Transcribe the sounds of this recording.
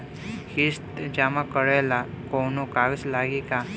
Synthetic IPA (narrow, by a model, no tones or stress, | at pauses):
hist̪d͡ʒaːmãkəɽela | koːnokaːɡslaːɡika